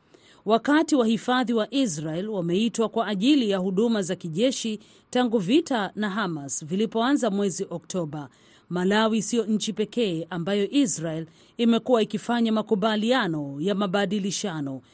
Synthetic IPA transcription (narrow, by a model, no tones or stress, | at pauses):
wakatiwahifaðiwaʔis̬ɾaɛlwamɛitwakwaʔːʄilijahuɗumazakiʄɛʃi | taŋɡuvitanaɦamasvilipɔanzamwɛziʔɔk̚tʰɔɓa | malawisijɔɲ̩t͡ʃipɛkɛːʔambajɔʔisɾaɛl | imɛkuwaikifaɲamakuɓalianɔjamaɓaɗiliʃanɔ